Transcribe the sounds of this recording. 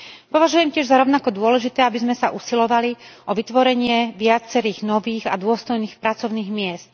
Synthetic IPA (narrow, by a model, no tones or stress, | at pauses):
pɔʋaʒujɛmcɪɛʒzaɾɔʊnakɔd̪ʊɔlɛʒit̪ɛːabizmɛsaʔusilɔʋaliʔɔʋit̪ʋɔɾɛɲɪɛʋɪat͡sɛɾiːɣnɔʋiːɣad̪ʊɔst̪ɔjniːxpɾat͡sɔʊniːɣmɪɛst̪